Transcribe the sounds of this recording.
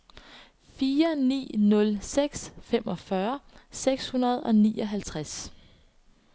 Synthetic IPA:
fiːɐnḭːnɔ̽lseɡ̥sfemʔɒ̽fɶɐseɡ̥shunɐð̞ˠɒ̽nḭːɒ̽ɦælt͡sʰʁas

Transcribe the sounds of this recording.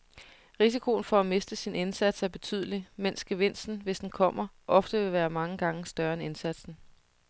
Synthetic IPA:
ʁis̬ikʰo̝n̩fɒ̽æme̝sd̥əsine̝nsæd̥sæɐb̥e̝t͡sʰy̰ð̞̰ˠlimen̰sɡ̥e̝ʋe̝n̰sd̥n̩ʋe̝sd̥n̩kʰɒ̽m̰ɐʔɒ̽fd̥əʋe̝ʋæːɐmɑ̈ŋəɡ̥ɑ̈ŋəsd̥ɶɐene̝nsæd̥sn̩

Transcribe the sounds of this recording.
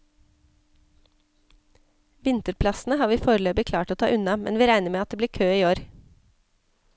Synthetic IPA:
ʋɪnt̪əɾpʰlɑsn̩əhɑːʋiːfoːɾəløːbɪkʰlɑːʈoːt̪ʰɑ̰ːʔʉnɑmɛ̰nʋiːɾæɪnəmeːɑt̪̚d̪eːb̪iːkʰøːiːoːɾ

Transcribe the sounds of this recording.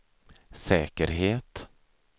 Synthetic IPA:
sɛːkəɾɦeːt̪

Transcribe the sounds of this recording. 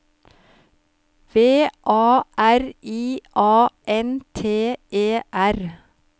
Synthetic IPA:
ʋeːʔɑːʔæɾʔiːʔɑːʔɛnt̪ʰeːʔeːʔæɾ

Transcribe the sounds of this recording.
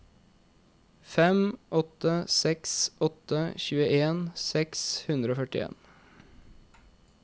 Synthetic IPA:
fɛmʔɔt̪əsɛksɔt̪əçʉːəʔeːnsɛkshʉnd̪ɾəoːfœʈɪḛːn

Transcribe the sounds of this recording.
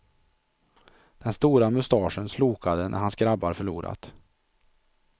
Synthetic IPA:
d̪̥ɛnst̪uːɾamʊst̪ɑːʂənsluːkad̪ənʔæ̰ɾhansɡɾabːaɾfœɭṵːɾa̰t̪

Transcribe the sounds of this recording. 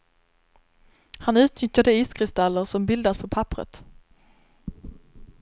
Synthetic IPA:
hanʉ̟ːt̪nʏt̪jad̪əiːskʰɾɪst̪alːəɾsɔmbɪld̪aspʰɔpʰapɾə̰t̪

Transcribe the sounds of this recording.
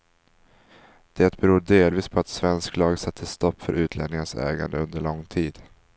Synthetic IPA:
d̪̥ɛt̪bɛɾuːɖeːlviːspʰɔat̪svɛnsklɑːɡsat̪ʰːəst̪ɔpːfœɾʔʉ̟ːt̪ʰlɛ̰ːnɪŋənsɛ̰ːɡa̰nd̪əɵnd̪əɭɔŋːt̪ʰiːd̪̥

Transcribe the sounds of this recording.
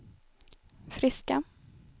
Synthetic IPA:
fɾɪska

